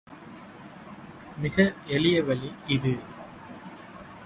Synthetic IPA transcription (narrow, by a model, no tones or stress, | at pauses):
mɪɣɐɛlɪjɐʋɐliɪðɯ